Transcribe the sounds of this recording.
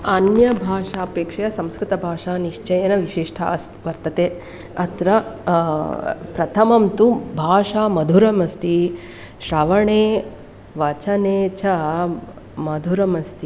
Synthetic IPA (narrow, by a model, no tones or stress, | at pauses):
ɐnjɐbʱaːʂaːpeːkʂɐjɐsɐ̃mskɾɨt̪ɐbʱaːʂaːniʂt͡ʃɐjɐnɐʋiʃiʂʈʰɐ̰ɐs | ʋɐɾt̪ɐt̪eː | ɐt̪ɾɐ | pɾɐt̪ʰɐmɐmt̪ubʱaːʂaːmɐd̪ʱuɾɐmɐst̪ʰi | ʃɾɐʋɐɳeː | ʋɐt͡ʃʰɐneːt͡ʃʰɐ | mɐd̪ʱuɾɐmɐst̪ʰi